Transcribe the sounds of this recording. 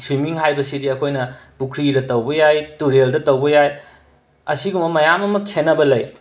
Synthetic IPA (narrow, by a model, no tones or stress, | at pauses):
swimiŋɦajbɐsidiɐkʰojnɐpukʰɾiɾɐtɐwbɐjajtuɾeldɐtɐwbɐjaj | ɐsiɡumɐmɐjamɐmɐkʰenːɐbɐlɐj